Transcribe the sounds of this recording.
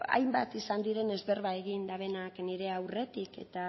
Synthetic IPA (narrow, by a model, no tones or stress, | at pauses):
a̰jmba̰t̪isand̪iɾe̞ne̞zβe̞rβae̞ɣind̪aβ̞e̞nakniɾe̞awre̞t̪ike̞̰t̪a